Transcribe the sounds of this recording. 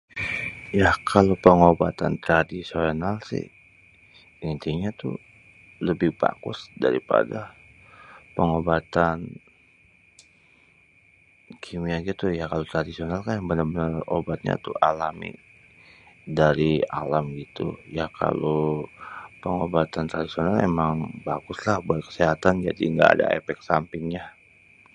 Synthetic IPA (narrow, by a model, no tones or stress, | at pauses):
jakʰalopəŋobat̪a̰nt̪ɾadisionalsɪ̰h | int̪iɲat̪ṵ | ləbɪhba̰kʊ̰sda̰ɾipa̰da | pəŋobat̪an | kʰimianɡit̪ujakalot̪ɾadisionalkanjaŋbənarbənəro̰bat̪̚ɲa̰t̪uʔalamḭ | daɾialamɡit̪ṵjakʰa̰lo | pəŋobat̪ant̪ɾadisionalḛmaŋbaɡʊslahbuat̪̚kə̥seɦat̪and͡ʒa̰diŋɡa̰ːda̰ḛfɛk̚sampɪŋɲa